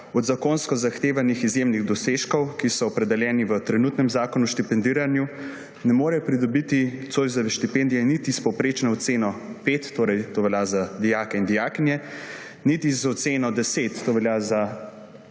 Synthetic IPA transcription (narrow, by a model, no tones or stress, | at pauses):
ɔd̪zakoːnskɔzaxt̪eːʋanixizjemniɣd̪ɔseʃkɔwkisɔɔpɾɛd̪ɛljɛːniʋət̪ɾɛnuːt̪nɛmzaːkɔnuʃt̪ipɛnd̪iɾanju | nɛmoːɾɛjɔpɾid̪ɔbit̪it̪soːjzɔʋɛʃt̪ipend̪ijɛnit̪ispɔwpɾeːt͡ʃnɔɔt̪seːnɔpeːt̪ːoːɾɛjt̪oːʋɛljazad̪ijaːkɛind̪ijaknjɛ | nit̪izɔt̪seːnɔd̪ɛset̪ːoːʋɛljaza